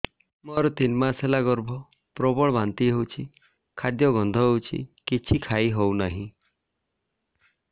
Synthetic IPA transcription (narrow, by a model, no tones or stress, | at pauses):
mɔɾɔt̪inmaselaɡɔɾbʱɔ | pɾɔbɔɭɔbant̪iɦewt͡ʃʰi | kʰad̪jɔɡɔnd̪ʱɔɦewt͡ʃʰḭkit͡ʃʰikʰaiɦownaɦĩ